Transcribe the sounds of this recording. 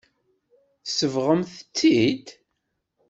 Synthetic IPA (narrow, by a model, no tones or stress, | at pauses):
θsəvʁəmθə̥t͡sːid̪